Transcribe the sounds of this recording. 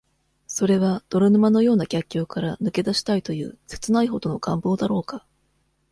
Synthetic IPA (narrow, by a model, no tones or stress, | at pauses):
so̞ɾe̞βad̪̥o̞ɾanɯ̟mano̞jo̞ːnaɡʲakʲːjoːkaɾanɯ̟ke̞d̪aɕi̥t̪ait̪o̞jɯ̟̰ːse̞̥t͡sɨnaiɦo̞d̪o̞no̞ɡ̥ãmbo̞ːd̪aɾo̞ːka